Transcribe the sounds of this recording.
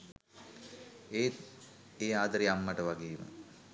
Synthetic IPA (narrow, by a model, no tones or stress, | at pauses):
eː | eːaːd̪əɾiamːəʈəʋaɡeːmə̰